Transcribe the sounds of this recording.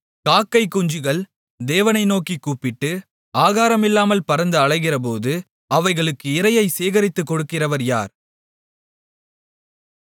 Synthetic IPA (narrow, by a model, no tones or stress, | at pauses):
kaːkːɐɪkːʊɲd͡ʒɯɣɐɭ | d̪eːʋɐnɐɪnoːkikːuːpːɪʈːɯ | aːɣaːɾɐmɪlːaːmɐlpɐɾɐnd̪ɯɐɭɐɪɣɪrɐp̬oːðɯ | ɐʋɐɪɣɐɭɯkːɯɪɾɐjɐɪseːɣɐɾɪt̪ːɯkːɔɽɯkːɪrɐʋɐɾja̰ːɾ